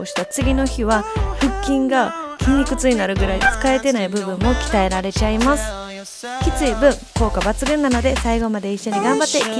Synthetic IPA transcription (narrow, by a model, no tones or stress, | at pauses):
oɕi̥t̪at͡sɨɡʲino̞çiβ̞aɸɯ̟kʲːĩŋɡakʲiɲʲikɯ̟t͡sɨɲinaɾɯ̟ɡɯ̟ɾait͡sɨ̥kae̞t̪e̞naibɯ̟bɯ̟̃mːo̞kʲi̥t̪ae̞ɾaɾe̞t͡ɕaimasɨ̥ | kʲit͡sɨibɯ̟̃ŋko̞ːkabat͡sɨɡɯ̟̃nːano̞d̪e̞saiɡo̞mad̪e̞iɕːo̞ɲ̟iɡãmbat̪ːe̞ikʲi